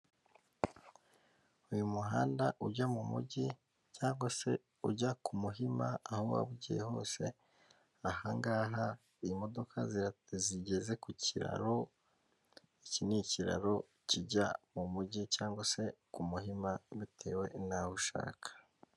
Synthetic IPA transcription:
ujumuɦaːndaʔuɟamumṵɟi | caːŋɡwase̞ | uɟakʰumuɦimaːhowa̰βuɟijeho̞̰ːse̞ | ahaŋɡaːɦa | imo̞do̞kʰaziɾaziɟe̞ze̞kuciɾa̰ɾo | iciniciɾa̰ɾo̞ | ciɟamumuɟicaːŋɡwase̞kumuhimaβitʰe̞̰ːwe̞naβuʃa̰ːkʰḁ

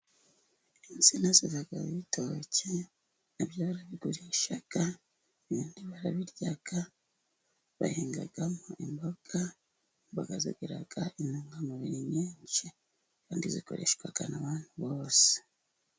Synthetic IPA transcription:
inzinazivaɡa̰βiβitʰoce | naβjoβaɾaβiɡuɾieʃaɡ̥a | eβiːndiβaɾaβiɾjaɡ̥a | βa̰heːŋɡa̰ɡamoʔimboɡ̥a | βaɡazḛɡeɾa̰ɡ̥aʔinuŋɡamuβiɾiɲeːɲt͡ʃi | kaːndiziko̞̰ɾe̞̰ʃɡwaɡ̥a̰naβaːnhuβo̞ːse̥

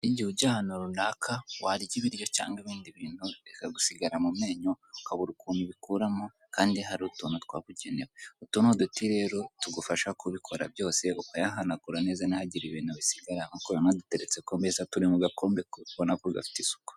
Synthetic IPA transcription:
iɟihuɟahanoɾunakʰawaɾiɟiβiɾjo̞ca̰ːŋɡiβiːndiβiːn̥huekaɡusiɡaɾamume̞ːɲo | kaβuɾukuːmiβikuɾamo | kaːndiɦaɾiutuːnotwa̰ːβuɟene̞weutuːnuodutiɾe̞ːɾo̞tuɡufaʃakuβikʰo̞ɾa̰bjo̞ːse̞ukajaɦanakuɾane̞ːzanihaɟiɾiβiːnuβisiɡaɾaŋukojanadute̞ɾet͡se̞kombezatuɾimuɡako̞ːmbekoβonakuɡa̰fi̥tisu̥ko̥

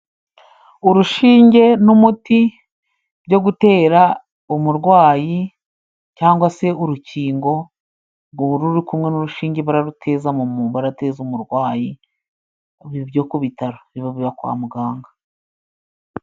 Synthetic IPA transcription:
uɾuʃiːɲɟe̞numuti | bɟo̞ɡute̞ːɾa | umuɾɡwaːji | caːŋɡwase̞uɾuciːŋɡo̞ | ɡuɾuɾikumŋe̞nuɾuʃiːɲɟe̞βuɾaɾutʰe̞zamumuːmbaɾate̞ːzumuɾɡwaːji | βbjo̞ːkuβitaɾoβiβaβiβakwa̰ːmuɡaːŋɡa

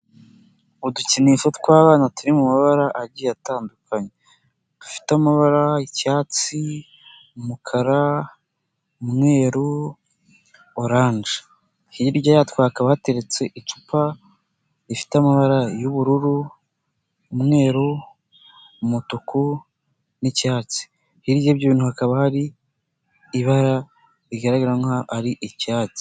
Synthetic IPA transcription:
uduciniʃotkwaːβaːnatuɾimumaβaɾaʔaɾɟijataːndukʰaɲe | ufi̥tamaβaɾaicaːt͡si | umukʰaɾa | umŋe̞ːɾu | oɾaːɲʒe̥ | hiɾɟojatwaːkaβahate̞ɾe̞t͡se̞ʔit͡ʃu̥pa | ifi̥tamaβaɾajuβuɾuɾu | mŋe̞ːɾo | motokʰo | nicaːt͡si̥ | hiɾɟeβɟoβiːn̥uhakaβahaɾiː | βaɾa | ɾiɡaɾaɡaɾaŋaaɾiʔicaːt͡si̥

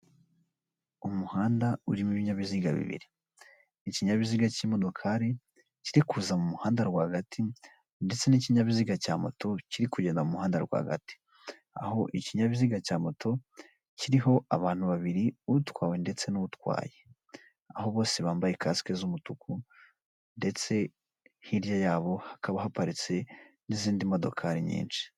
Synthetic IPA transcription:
umuhaːndauɾimiβiɲaβiziɡa̰βḭβḭɾi | iciɲaβiziɡaciːmo̞do̞kʰaːɾi | ciɾikuːzamumuhaːndaɾɡwahɡatʰi | nde̞t͡se̞niciɲaβiziɡacaːmo̞̰to̞ciɾikuɟe̞ːndamumuhaːndaɾɡwa̰ɡa̰ti̥ | a̰ho̞ʔiciɲaβiziɡacaːmo̞tʰo̞ | ciɾiɦo̞aβaːn̥huβaβiɾiutwaːwende̞t͡se̞nuβutwa̰ːje | aho̞βo̞ːse̞βaːmbajekasi̥kezumutuku | nde̞t͡se̞ | hiɾjajaːβo̞hḁkaβahapaɾit͡se̞ | niziːndimo̞do̞̰kʰaɾiɲḭːnʃi̥

